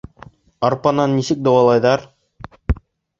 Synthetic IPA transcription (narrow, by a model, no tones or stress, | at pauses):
ɑɾpɑnɑnːisɘk̚d̪ŏwɑlˠɑjðɑɾ